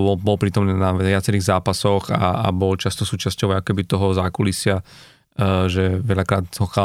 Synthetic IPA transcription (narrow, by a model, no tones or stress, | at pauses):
bɔlbɔlpɾiːt̪ɔmniːnaʋɪat͡sɛɾiːɣzaːpasɔɣaa̰bɔlt͡ʃast̪ɔsuːt͡ʃascɔʊaakɔ̥kɛbit̪ɔɦɔzaːkulisɪa | ʒɛʋɛʎakɾaːt̪zɦɔxa